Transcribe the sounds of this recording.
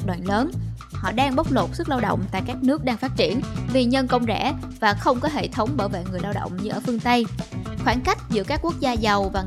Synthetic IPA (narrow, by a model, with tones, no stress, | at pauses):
ɗwa̰ː˧˨nləː˨˦n | hɔ̰˧˨ɗaː˧ŋɓa˦˥wk͡p̚lo˨˩t̚sɨ˦˥k̚laː˧wɗə̰˧˨wŋ͡mt̪a̰ː˧˨jkaː˦˥k̚nɨ˦˥ək̚ɗaː˧ŋfaː˦˥t̚t͡ɕi˧˩ənvi˨˩ɲə˧nkə˧wŋ͡mzɛ̰˧˩˥ | vaː˨˩xə˧wŋ͡mkɔ˨˦ɦḛ˧˨t̪ʰə˨˦wŋ͡mɓəː˧˩jvḛ˧˨ŋɨ˨˩əjlaː˧wɗə̰˧˨wŋ͡mɲɨ˧ʔəː˧˩fɨ˧əŋt̪ə˧jxwaː˧˩nka˦˥jk̟̚zɨ̰˧˥kaː˦˥kːu˦˥ək̚zaː˧zə˨˩wvaː˨˩